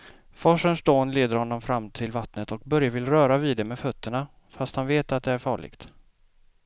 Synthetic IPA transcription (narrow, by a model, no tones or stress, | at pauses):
fɔʂənsd̪oːnleːd̪əɾhɔnːɔmfɾamːt̪ʰɪlvat̪nət̪ɔk̚bœɾjavɪlɾœːɾaviːd̪ɛmɛfœt̪ʰːəɳa | fast̪hanveːt̪at̪̚d̪ɛæɾfɑːɭɪ̰ɡ̥t̪